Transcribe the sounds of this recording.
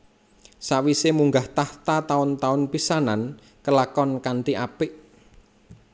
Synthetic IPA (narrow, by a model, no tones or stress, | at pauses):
saʔwisemuŋɡaht̪aht̪at̪aʊnt̪aʊnpisanan | kəlakɔnkaɳʈ̪iʔapɪʔ